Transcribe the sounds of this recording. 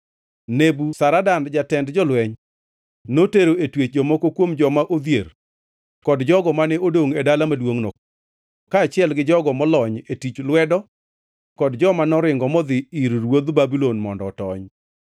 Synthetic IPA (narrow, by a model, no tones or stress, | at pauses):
nebusaɾadandd͡ʒatɛndd͡ʒɔlwɛɲ | noteɾoetwet͡ʃd͡ʒɔmɔkokwomd͡ʒɔmaʔod̪jer | kɔdd͡ʒɔɡɔmanɛodoŋedalamadwoŋnɔ | kaːt͡ʃɪɛlɡɪd͡ʒɔɡɔmɔlɔɲetit͡ʃlwɛdɔ | kɔdd͡ʒɔmanɔɾɪŋɡɔmɔd̪ɪiɾɾwod̪babilonmɔndɔtɔɲ